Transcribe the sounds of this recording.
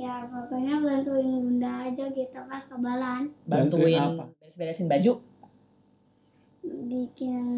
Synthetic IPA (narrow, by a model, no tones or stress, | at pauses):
jamakaɲablant̪ujaŋɡundaːd͡ʒaɡit̪akaskabalanbant̪ujaŋasbedasɪnbad͡ʒu | bikɪn